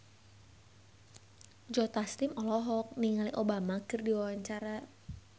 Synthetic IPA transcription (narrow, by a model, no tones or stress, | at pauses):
d͡ʒɔt̪astimɔlɔɦɔk̚niŋaliʔobamakɨrdiwawaɲt͡ʃaɾa